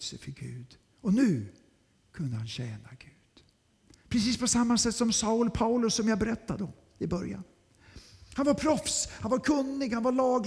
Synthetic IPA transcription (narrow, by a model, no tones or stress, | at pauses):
sɛ̰fəɾɡʉ̟ːd̪ | ɔnʉ̟ː | kʰɵnd̪əhanɕɛːnaɡʉ̟ːd̪̥ | pʰɾɛs̬iːspʰɔsamːasɛt̪ːsɔmsaʊlpʰaʊlɵsːɔmjabɛɾɛt̪ːad̪ɔm | ɪbœɾja̰n | hanvaɾpʰɾɔfshanvaɾkʰɵnːɪɡhanvaɭɑːɡ